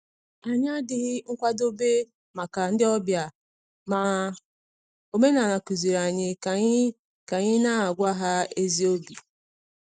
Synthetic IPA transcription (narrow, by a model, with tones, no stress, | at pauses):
a˨ɲ˦a˦dɪ˦ɣɪ˦ŋ̩˦kʷa˦do˦be˦ | ma˨ka˨n̩˦dɪ˦ɔ˦bja˨ | ma˨ | o˨me˦na˨na˨ku˨zi˨ɾa˨ɲɪ˨ka˨˦ | ka˨ɲɪ˦na˦a˨ɡʷa˦ɦa˦e˦zi˦o˦bi˨